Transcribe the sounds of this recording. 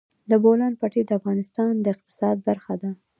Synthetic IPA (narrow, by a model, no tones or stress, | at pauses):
d̪əbolɑnpaʈed̪əafɣɑnɪst̪ɑnd̪əɪq̚t̪ɪ̥sɑd̪̚baɾxad̪a